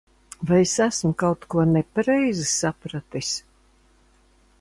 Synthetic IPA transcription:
vajesæsmkawt̪kuɔnɛpaɾɛjzsapɾat̪is

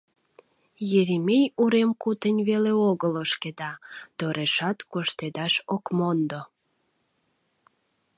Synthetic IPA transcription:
jeɾemejuɾemkut̪ənʲβeleoɣəloʃked̪ɑd̪̥oɾeʃɑt̪koʃt̪ed̪ɑʃokmond̪o

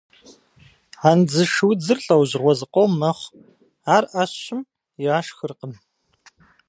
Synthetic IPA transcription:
aːnd͡zɨʃɨwd͡zɨrɬʼɐwʑɪʁʷɔzɨqʷowmɐχʷ | aːrʔaɕɪm | jɪaːʃxɨrqən

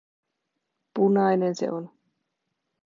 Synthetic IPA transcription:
punɑjnensḛʔon

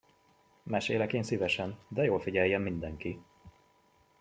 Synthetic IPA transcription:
maːʃeːlɛkeːnsivɛʃɛnd̪ɛjoːlfiɟɛjːɛmːind̪ɛŋki

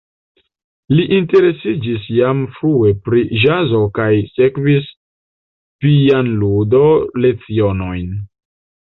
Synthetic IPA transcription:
liʔinte̞ɾe̞sid͡ʒisjamfɾue̞pɾiʒazo̞kajse̞kvis | pijanludo̞le̞t͡siono̞jn

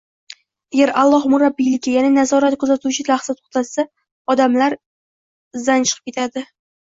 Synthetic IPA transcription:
aɡʲaɾalˠːɒhmʊɾabːilɪkʲajanɪnazɒɾat̪kʰʊzat̪ʰut͡ʃʰɪlaχsat̪ʰo̥χt̪asɪ | ɒd̪amlaɾ | zant͡ʃʰɨ̥qʰɨ̥p̚kʰʲe̞t̪ʰad̪ɪ

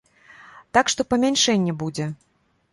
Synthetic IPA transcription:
t̪akʂt̪ɔpɐmʲanʲʂɛnʲːɛbud͡zʲɛ

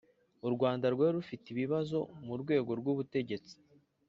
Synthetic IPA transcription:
uɾɡwaːndaɾɡwaːɾufitiβiβazo̞muɾɡwe̞ːɡo̞ɾɡwuβute̞ɟe̞t͡si̥

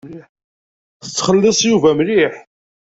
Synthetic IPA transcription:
iħ | θət͡sːχəlːəsˤjuvæmliħ

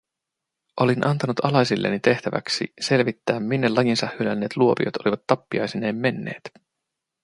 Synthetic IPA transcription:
ʔo̞linʔɑnt̪ɑnut̪ɑlɑjsilːḛnːit̪e̞ht̪æʋæ̰ksḭse̞lʋit̪ːæːmminːelːɑjinsɑhhylænːe̞ːt̪luo̞pijot̪ʰo̞liʋɑt̪ːɑpːiɑjsine̞ːmːe̞nːe̞̰ːt̪

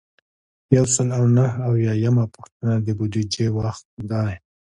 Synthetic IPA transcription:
jawsʊnawnahawjɑjamapʊxt̪ənad̪əbud̪id͡ʒewɑxt̪̚d̪ɑj

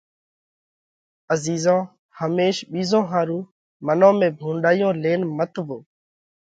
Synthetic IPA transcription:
əziːzãː | həmeːʃɓiːzõːɦãːɾũː | mənãːmẽːbʱũːɳɖaːjõːleːnmət̪ʋoː

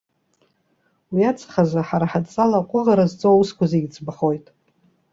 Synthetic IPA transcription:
wiat͡sʰʼχazaħaɾaħadt͡sʼalaqʷʼʊʁaɾazt͡sʼouskʷazeɡt͡sʰʼbaħo̞jtʼ

